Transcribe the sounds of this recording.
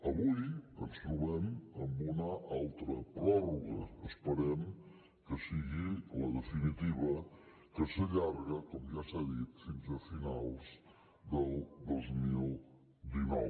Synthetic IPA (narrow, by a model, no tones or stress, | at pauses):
əβujə̰nst̪ɾuβɛməmbunəʔalˠt̪ɾəpɾɔruɣə̰ːspəɾɛm | kəsiɣiləðəfinit̪iβə | kəsəʎarɣəkɔmʒasaðit̪finzəfinalˠz | d̪əlˠd̪ozmilˠ | d̪inɔ̰w